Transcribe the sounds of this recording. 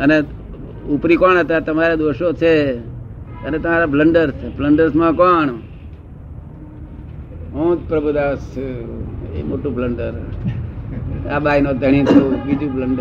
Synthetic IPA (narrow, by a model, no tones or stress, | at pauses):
əne | upɾikoɳɦət̪at̪əmaɾed̪oʃot͡ʃʰe | ənet̪əmaɾapʰləɳɖəɾsbləɳɖəɾsmãkɔːɳ | ɦõt̪pɾəbʱud̪as | ḛmoʈũbʰʱləɳɖəɾ | abainõd̪ʱəɽ̃it̪ʰobid͡ʒũbləɳɖ